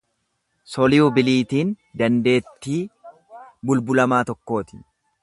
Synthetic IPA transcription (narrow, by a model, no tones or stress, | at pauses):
sɔlɪjʊbɪliːt̪iːn | d̪ɐnd̪e̞ːt̪ːiː | bʊlbʊlɐmaːt̪ɔkːo̞ːt̪ɪ̥